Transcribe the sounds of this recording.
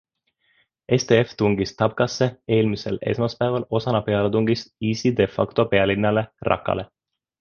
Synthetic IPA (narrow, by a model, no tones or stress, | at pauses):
ʔe̞st̪e̞eft̪uŋɡist̪ɑb̚kɑsːe̞e̞ːlmise̞le̞̰smɑspæevɑlo̞sɑnɑpe̞ɑlet̪uŋɡ̥isiːsid̪̥e̞fɑ̰kt̪o̞pe̞ɑlinːɑle̞rʔɑ̰kːˑɑ̰le̞